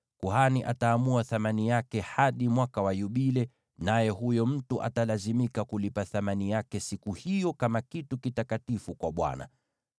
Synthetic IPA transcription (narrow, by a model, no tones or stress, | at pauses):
kuhaniʔa̰taːmuaθamanijakɛhaɗimwakawajuɓilɛ | najɛhujɔm̩tuʔa̰talazimikakulipaθamanijakɛsikuhijɔkamakitukitakatifukwaɓwa̰na̰